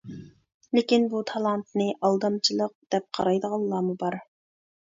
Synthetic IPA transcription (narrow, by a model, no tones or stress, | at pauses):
lɪkʲinbut̪ʰɑlˠɑnt̪̚nɨʔɑlˠd̪ɑmt͡ʃʰilˠəq̚d̪̥ɛp̚qʰɑɾɑjd̪əʁɑlˠlːɑːmubɑɾ